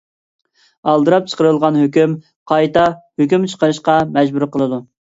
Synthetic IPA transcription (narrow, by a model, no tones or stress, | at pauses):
ɑlˠd̪ɨɾɑp̚t͡ʃʰə̥qəɾɨlˠʁɑnɦøkʲym | qʰɑjt̪ɑhøkʲymt͡ʃʰə̥qəɾɨʃqɑmɛd͡ʒbuɾqəlˠɨd̪u